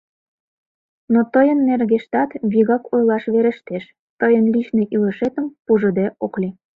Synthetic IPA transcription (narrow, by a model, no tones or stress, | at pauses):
not̪əjənːerɣeʃt̪ɑt̪βiɣɑkojlɑʃβeɾə̆ʃt̪eʃ | t̪əjənlit͡ɕneʔilə̆ʃet̪ə̆mpuʒə̆d̪eʔoklʲi